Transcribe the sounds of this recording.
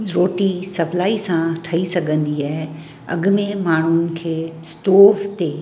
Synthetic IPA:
ɾoːʈisɐplaːisãʈʰɐisɐɡʱə̃nd̪iaːɦe | ɐ̰ɡmẽmaːɳ̤ʊnɪ̆kʰeːsʈoːft̪eː

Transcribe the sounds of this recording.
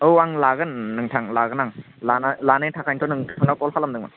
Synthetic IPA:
ɯwaŋlaɡɯnːɯŋtʰaŋlaɣɯnaŋ | lanlanetʰakʰajntʰɔnɯŋʰanakɔlhalamdɯŋma̰n

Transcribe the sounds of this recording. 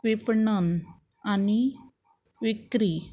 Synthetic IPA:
ʋipɳən | ani | ʋikɾi

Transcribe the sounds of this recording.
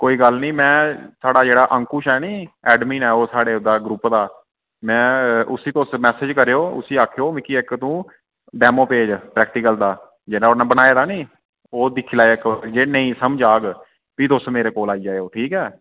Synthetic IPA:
koːiːɡəlnĩːmɛ̃ːsaːɖaːd͡ʒeːɽaːʔəŋkuːʃɛːnĩːɛːɖmiːnɛːoːsaːɽeːʊd̪aːɡɾupd̪aː | mɛ̃ːʊsiːt̪osmɛːsed͡ʒkəɾeːoːʊ̰siːaːkʰejoːʋɪkiːɪkt̪ũː | ɖɛːmoːpeːd͡ʒpɾɛːk̚ʈiːkəld̪aː | d͡ʒeːnãonãːbənaːeːd̪aːniː | oːd̪ɪkʰːiːlaːeɪkd͡ʒeːnəĩːsəməd͡ʒaːɡ | piːt̪ʊsmeːɾeːkoːlaːiːd͡ʒaːeoːʈʰiːkɛː

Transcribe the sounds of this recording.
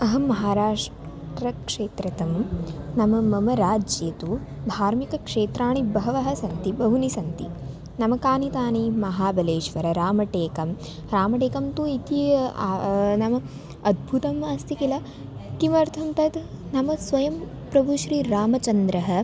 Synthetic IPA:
ɐɦɐmɐɦaːɾaːʂ | ʈɾɐkʂeːt̪ɾɐt̪ɐmnɐmɐmɐmɐɾaːd͡ʒjet̪ubʱaːɾmikɐkʂeːt̪ɾaːɳibɐɦɐʋɐɦɐsɐnt̪ibɐɦunisɐnt̪i | nɐmɐkaːnit̪aːnimɐɦaːbɐleːʃʋɐɾɐɾaːmɐʈeːkɐm | ɾaːmɐʈeːkɐmt̪uit̪i | nɐmɐ | ɐd̪̚bʱut̪ɐmast̪ʰikilɐ | k̪imɐɾt̪ʰɐmt̪ɐd̪nɐmɐsʋɐjɐm | pɾɐbʱuʃɾiːɾaːmɐt͡ʃɐnd̪ɾɐɦɐ̆

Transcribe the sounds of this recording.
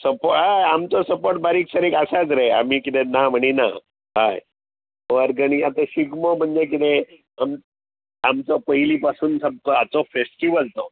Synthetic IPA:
səpoɦajamt͡sɔsəpoɾʈbaɾiːksəɾekasat͡sɾea̰miːkit̪ɛnam̤əɽ̃ina̰ | ɦaj | ɔɾɡəñiat̪ə̃ɕiɡmom̤əɳd͡zek̬it̪e | am | amt͡sɔpəilipasuːnsəb̚kɔat͡sɔfesʈiʋəlt̪ɔ

